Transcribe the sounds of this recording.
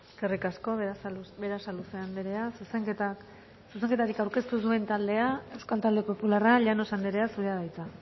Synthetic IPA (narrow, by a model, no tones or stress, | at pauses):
eskerikasko̞be̞ɾasaluse̞and̪eɾe̞asuseta | sus̬e̞ŋket̪aɾikawɾke̞st̪usue̞nt̪ald̪e̞ae̞wskalt̪ald̪e̞po̞pularaʎano̞sand̪eɾe̞asuɾeaðajt͡s̪a